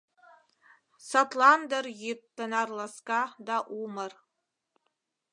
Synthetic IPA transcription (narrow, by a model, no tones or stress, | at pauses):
satʰland̪ərjitːənarlaskad̪aʔumər